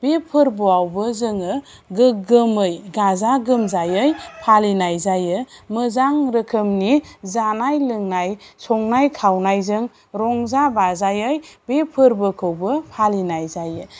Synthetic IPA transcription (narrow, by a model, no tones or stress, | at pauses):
b̥epʰɯɾbuawbɯzɯŋɯ | ɡɯɡɯmɯjɡazaɡɯmzajɯjpʰalinajzajɯmɯzaŋɾəkʰɯmnizanajlɯŋnajsɔŋnajkʰawnajzɯŋ | ɾɔŋzabazajɯjbepʰɯɾbɯkʰɯwbɯpʰalinajzajɯ